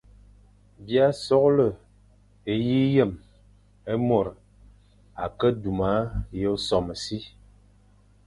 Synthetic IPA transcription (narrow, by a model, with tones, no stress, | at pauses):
bi˦a˦sɔ˦klə˦˨ | e˨ji˦jə˦˨m | e˦mo˨ɾ | a˨kə˦du˨ma˨˦jə˦sɔ˨mə˨si˦